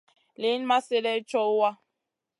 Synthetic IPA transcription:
le˨˦n˦ma˦se˦lɛ˦t͡ʃɔ˦wa˦

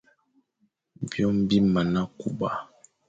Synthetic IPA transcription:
bjɔ˦m̩˦bi˦ma˨na˦ku˦ba˦

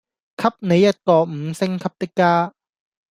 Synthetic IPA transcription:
kʰɐ˥˩p̚ne˨˧jːɐ˦˥t̚t̪ɔː˨˩m̩˨˧˦sɪ˥ŋkʰɐ˧˥p̚t̪ɪ˥kːaː˥

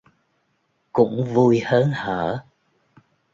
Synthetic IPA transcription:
kʊ̰˧˥ŋ͡mvu˧jhəː˨˦nhəː˧˩˦

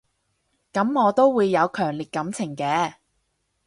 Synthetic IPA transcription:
kɐ˨˥mŋɔː˨˧t̪o˥wwuː˨˧jːɐ˨˧wkʰœː˨˩ŋliː˨˩t̚kɐ˨˥mt͡sʰɪ˨˩ŋkɛː˨˧

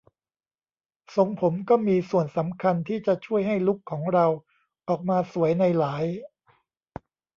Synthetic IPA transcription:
so˧ŋpʰo˩˦mkɔː˥˩miː˧su˨˩ənsa˩˦mkʰa˧nt̪ʰiː˥˩t͡ɕa˨˩t͡ɕʰu˥˩əjɦa˥˩jlu˦˥kʰːɔː˩˦ŋɾa˧w | ʔɔː˨˩k̚maː˧su˩˦əjna˧jlaː˩˦j

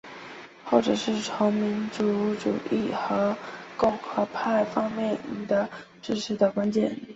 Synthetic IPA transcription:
xo˥˩ʊʈ͡ʂɤ˨˩ʂɻ̩˥˩ʈ͡ʂʰo˧˥ŋmi˧˥nt͡su˧˥ʈ͡ʂṵ˨˩ʔi˥˩xɤ˧˥kʊ˥˩ŋxɤ˧˥pʰa˥˩ɪfɑ˥ŋmjɛ˥˩nd̪ə˩ | ʈ͡ʂɻ̩˥˩ʂʰɻ̩˧˥d̪ə˨kwa˥nt͡ɕjɛ̰˨˩˦n

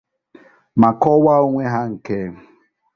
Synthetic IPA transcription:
ma˨kɔ˦wa˦o˦ŋʷe˦ɦa˦ŋ̩˨ke˦

